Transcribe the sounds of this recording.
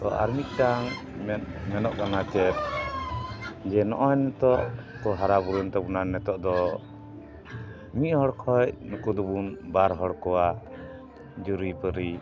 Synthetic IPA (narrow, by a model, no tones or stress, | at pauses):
t̪ɔʔa̰ɾmit̪̚ˀtaŋ | mɛmɛnɔʔkanat͡ʃɛt̪̚ | d͡ʒɛnɔ̰ʔɔjnɛt̪ɔʔkɔɦaɾabuɾunt̪ɔbunanɛt̪ɔʔd̪ɔ | miʔ̪̚hɔɽkʰɔjnɔkud̪ɔbunbaɾɦɔɽkɔwa | d͡ʒuɾijpəɾi